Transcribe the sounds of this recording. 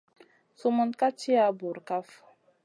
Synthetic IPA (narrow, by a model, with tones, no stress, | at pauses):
su˦mə˦nka˦t͡ʃi˦a˦bu˨ɾka˦f